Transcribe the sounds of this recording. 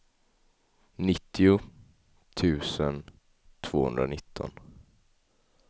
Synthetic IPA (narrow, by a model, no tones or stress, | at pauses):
nɪt̪ːɪʊ | t̪ʰʉ̟ːsən | t̪ʰv̥oːhɵ̰nd̪ɾanɪt̪ʰːɔ̰n